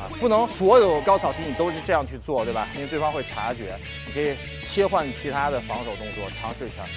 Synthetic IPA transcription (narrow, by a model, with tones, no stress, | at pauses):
ə̰˧pu˥˩nɤ˧˥ŋswɔ˧˥jo˧˩ʊkjɑ˥ʊɑ˨˩ʊt̪ʰi˥ni˨˩t̪o˥ʊʂɻ̩˥˧ʈ͡ʂɤ˥˧jɑ˥˧ŋt͡ɕʰy˥˧t͡swɔ˥˩t̪we˥˩ɪba˨˩ji˥˧t̪wfɑ˥ŋxwe˥˩ɪʈ͡ʂʰa˧˥t͡ɕɥɛ˧˥ | ni˨˩kʰɤ˧˥i˨˩ | t͡ɕʰjɛ˥xwa˥˩nt͡ɕʰi˧˥t̪ʰa˥d̪ə˨fɑ˧˥ŋʂo˨˩ʊt̪ʊ˥ŋt͡swɔ˥˩ʈ͡ʂʰɑ˧˥ŋʂ̩˥˩ɕʰjɑ̰˧˥ŋ